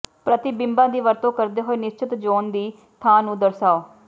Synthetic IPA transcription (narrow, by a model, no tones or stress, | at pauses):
pɾət̪ibɪmbãːd̪iːʋəɾt̪õːkəɾd̪eːɦoːeːnɪst͡ʃɪt̪d͡ʒoːnd̪iː | t̪ʰãːnũːd̪əɾsaːoː